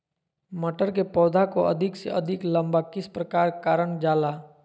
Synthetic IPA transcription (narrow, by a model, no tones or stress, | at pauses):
məʈəɾkepɔːd̪ʱakoɐ̰d̪ʱɪksḛʔɐd̪ʱɪklə̃mbakɪspɾəkaːɾkaːɾəɳd͡ʒaːlaː